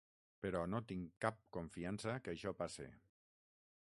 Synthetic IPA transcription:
pəɾɔnot̪iŋkap̚koɱfiansəkəʃɔpasḛ

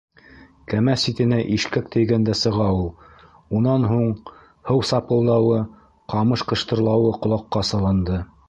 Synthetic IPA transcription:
kæmæsit̪ɘ̆næʔiʃkæk̚t̪ʰɘ̆jɡænd̪æsɤ̆ʁɑulˠ | unɑnɦuɴ | hɤwsɑpɤ̆lˠd̪ɑwɤ | qɑmɤʃqɤ̆ʃt̪ɤ̆ɾlˠɑwɤqŏlˠɑqːɑsɑlˠɤ̆nd̪ɤ

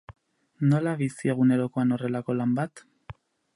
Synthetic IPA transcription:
no̞laβisie̞ɣ̞une̞ɾo̞ko̞ano̞re̞lako̞lambat̪

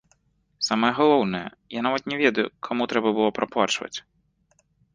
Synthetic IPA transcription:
samɐjɛɣalˠɔwnɨjɛ̰ | janavɐt̪nʲɛvʲɛd̪ɐjukʰɔmut̪ɾɛbɐbɨlˠɔpɾɐplˠat͡ʂvɐ̰t͡sʲ

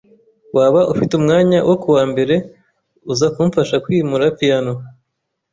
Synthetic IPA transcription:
waːβaʔufitumŋaːɲawʔokuwaːmbe̞ɾe̞ | uzakumfaʃakwiːmuɾapijano

